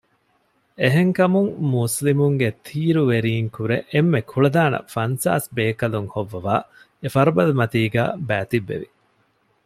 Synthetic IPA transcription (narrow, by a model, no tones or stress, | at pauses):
eɦeŋkɐmuŋmuslimuŋɡet̪ʰiːɾuʋeɾiːŋkuɾeʔemːekʰuɭɐd̪aːnɐ̰fɐnsa̰ːsbeːkɐluŋhoʋːɐʋaː | efɐɾɐbɐlɐmɐt̪iːɡæ̰ːbæːt̪iʋːḛʋḭ